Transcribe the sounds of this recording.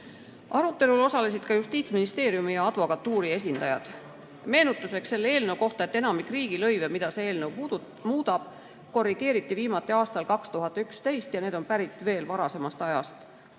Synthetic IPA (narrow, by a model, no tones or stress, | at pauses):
ʔɑɾut̪ːˑe̞lulo̞sɑle̞s̬id̪̥kɑjust̪iːt̪sminist̪e̞ːɾjumijɑɑd̪̥vo̞kɑt̪ːuːɾie̞s̬ʲind̪̥ɑjɑ̰d̪̥ | me̞ːnut̪ːˑuse̞ksːe̞lːeeːlne̞wko̞ht̪ɑet̪ːe̞nɑmikˑriːɡ̥ilɤ̞jvemid̪ɑseeːlne̞w | muːd̪̥ɑb̥ | ko̞riɡ̥e̞ːɾit̪ːˑiviːmɑt̪ːˑeɑːst̪ɑlkɑkst̪uɦɑt̪ːˑykst̪e̞jst̪jɑne̞ːd̪onpæɾit̪ːˑve̞ːlvɑɾɑse̞mɑst̪ɑjɑ̰st̪